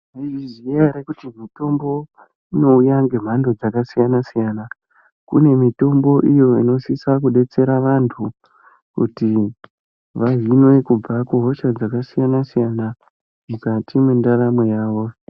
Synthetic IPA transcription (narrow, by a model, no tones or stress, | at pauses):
aiziaɾekutimito̞mbo̞ | ino̞ujaŋɡe̞m̤ando̞d͡zakasijanasijana | kṵne̞mito̞mbo̞ʔijo̞ino̞sisakuɗe̞t͡se̞ɾaʋantʰu | kṵti | ʋavinwe̞kub͡vakuɦo̞ʃad͡zakasijanasijana | mukatʰimwendaɾamwejaːʋo̞